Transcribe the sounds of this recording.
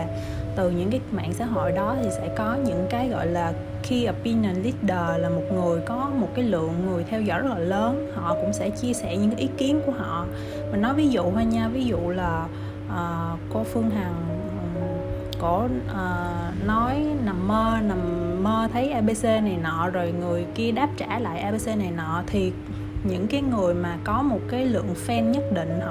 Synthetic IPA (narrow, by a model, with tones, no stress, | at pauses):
t̪ɨ˨˩ɲɨ̰˧˥ŋkaː˨˦jma̰ː˧˨ŋsa̰ː˧˥ɦo̰˧˨jɗɔ˨˦t̪ʰi˨˩sɛ̰˧˥kɔ˨˦ɲɨ̰˧˥ŋkaː˨˦jɣɔ̰˧˨jlaː˨˩ | xi˧ʔəː˨˩pi˧na˨˩nli˦˥t̚ɗəː˨˩laː˨˩mo˨˩t̚ŋɨ˨˩əjkɔ˨˦mo˨˩t̚kaː˨˦jlɨ̰˧˨əŋːɨ˨˩əjt̪ʰɛ˧wzɔ̰˧˥˩jzə˦˥laː˨˩ləː˨˦nhɔ̰˧˨kʊ̰˧˥ŋ͡msɛ̰˧˥t͡ɕi˧əsɛ˧˩˨ɲɨ̰˧˥ŋka˨˦ʔi˨˦ki˨˦ənku˧˩əɦɔ̰˧˨ | ma˨˩nɔ˨˦jvi˨˦zṵ˧˨haː˧ɲaː˧vi˨˦zṵ˧˨laː˨˩ | ʔəː˨˩ | ko˧fɨ˧əŋɦaː˨˩ŋ˨˩ | ko̰˧˩ʔəː˨˩nɔ˨˦jna˨˩mːəː˧na˨˩mːəː˧t̪ʰə˨˦jʔa˧ɓe˧se˧na˨˩jnɔ̰˧˨zo˨˩jŋɨ˨˩əjki˧əɗaː˦˥p̚t͡ɕaː˧˩la̰ː˧˨jʔaː˧ɓe˧se˧na˨˩jnɔ̰˧˨t̪ʰi˨˩ | ɲɨ̰˧˥ŋkaː˨˦jŋɨ˨˩əjmaː˨˩kɔ˨˦mo˨˩t̚kaː˨˦jlɨ̰˧˨əŋfɛ˧nɲə˦˥t̚ɗḭ̈˧˨ŋ̟˧